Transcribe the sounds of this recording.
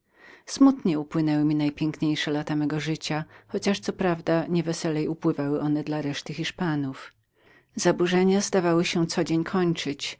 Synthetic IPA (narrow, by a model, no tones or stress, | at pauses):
smut̪ɲɛupwɘnɛwɘmʲinajpʲjɛŋkɲejʂɛlat̪amɛɡɔʐɘt͡ɕaxɔt͡ɕaʂt̪sɔpɾavd̪aɲɛvɛsɛlɛjupwɘvawɘʔɔnɛd̪laɾɛʂt̪ɘxʲiʂpanuf | zabuʐɛɲazd̪avawɘɕɛt̪sɔd͡ʑeɲkʰɔɲt͡ʂɘt͡ɕ